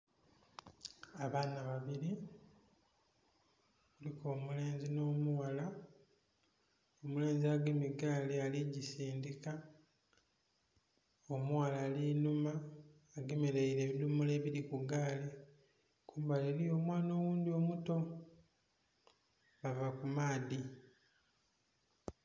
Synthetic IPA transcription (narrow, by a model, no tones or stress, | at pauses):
aβaːnaβaβiɾi | kuliko̞ːmule̞ːnzino̞ːmuwala | omule̞ːnziaɡemiɡaːlealiɟisiːndika | omuwalaːlinumaː | ɡemeɾeiɾe̞ːβinumule̞ːβiɾikuɡaːle | kʰuːmbaleɾijo̞ːmwaːno̞ːwuːndio̞muto | βavakumaːdi